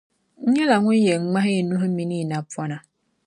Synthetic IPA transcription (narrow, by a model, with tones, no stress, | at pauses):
ɲ̩˦ɲe˦la˨ŋʷʊ˦je˨ŋ͡m̩˦ŋ͡ma˦ɦɪ˦˨nu˦ɦmi˦ni˦˨na˨pwɔ˦na˨